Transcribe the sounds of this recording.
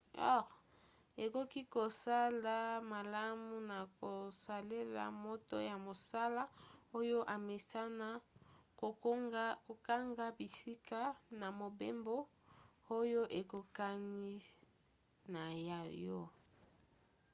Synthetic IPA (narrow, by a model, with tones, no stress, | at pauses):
ɔ̰˦ | e˨ko˦ki˦ko˨sa˦la˦ma˨la˦mu˦na˨ko˨sa˨le˦la̰˨mo˦to̰˦ja˨mo˨sa˦la˦o˦jo˦ʔa˨me˨sa˦na˦ko˨˦ko˨ka˦ŋɡa˦bi˨si˦kʰa˦na˨mo˨be˦mbo˦ | o˦jo˦ʔe˨ko˨ka˦ni˦ | na˨ja˨jɔ˦